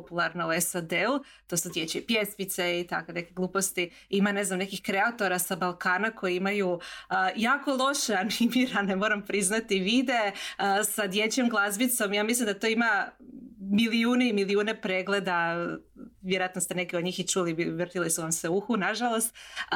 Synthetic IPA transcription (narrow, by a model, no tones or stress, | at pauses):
opulˠaɾnouesad̪el | t̪o̞sud̪jet͡ɕeipjesmit̪seit̪akone̞keɡlˠuːpo̞st̪i | imane̞znamne̞kixkɾeat̪o̞ɾasabalˠkaːnako̞jeimajujaːko̞lˠo̞ʃeanimiɾanemo̞ɾampɾiznat̪iʋid̪e̞sad̪je̞t͡ɕe̞mɡlˠazbit̪so̞mjaːmislimd̪at̪oima | miliuːneimiliuːne̞pɾeɡle̞d̪a | ʋjeɾoat̪nost̪enekeod̪ɲiːxit͡ʃuliʋr̩t̪ilisuʋamse̞uxunaʒalˠo̞st̪